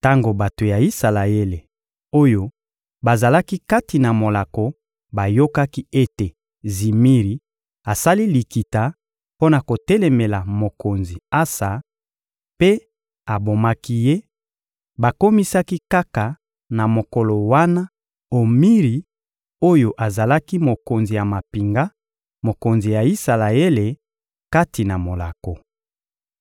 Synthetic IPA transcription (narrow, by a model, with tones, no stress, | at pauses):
ta˦ŋɡo˨ba˨to˨ja˨i˦sa˨la˨e˦le˨ | o˦jo˨ | ba˨za˨la˦ki˦ka˦ti˨na˨mo˨la˨ko˨ | ba˨jo˦ka˦ki˦e˦te˨ | zi˨mi˦ʁi˨˦ | a˨sa˦li˦li˨ki˨ta˨ | po˦na˨ko˨tɛ˦lɛ˨me˨la˨mo˨ko˨nzi˨a˦sa˨ | pe˦ | a˨bo˨ma˦ki˦je˦ | ba˨ko˦mi˦sa˦ki˦ka˦ka˨ | na˨mo˨ko˨lɔ˨wa˦na˦ | o˨mi˦ʁi˨ | o˦jo˨ʔa˨za˨la˦ki˦mo˨ko˨nzi˨ja˨ma˨pi˨ŋɡa˦ | mo˨ko˨nzi˨ja˨i˦sa˨la˨e˦le˨ | ka˦ti˨na˨mo˨la̰˨ko˨